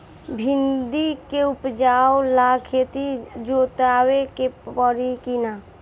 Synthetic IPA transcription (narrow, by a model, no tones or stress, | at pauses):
bʱind̪ikeupd͡ʒaːolakʰet̪id͡ʒot̪aːwekepəɾikina